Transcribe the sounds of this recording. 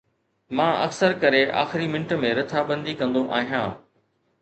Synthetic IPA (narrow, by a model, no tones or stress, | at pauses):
mãːɐ̰ksəɾkɐɾeʔa̰ːxɪɾimɪ̃nʈə̆mẽɾɐt̪ʰabɐ̃nd̪ikɐ̃nd̪oʔaːɦijãː